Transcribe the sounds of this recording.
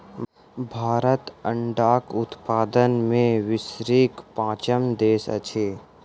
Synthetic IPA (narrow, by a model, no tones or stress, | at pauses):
bʱaːɾət̪ə̃ɳɖaːkʊt̪paːd̪ənmẽʋɪsɾiːkpãːt͡ʃəmd̪eːsə̰t͡ʃʰeː